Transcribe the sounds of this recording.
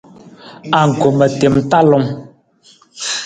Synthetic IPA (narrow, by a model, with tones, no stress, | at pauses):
a˨ŋ̩˨ko˨mə˨te˨m̩˦ta˦lɔ˨˦ŋ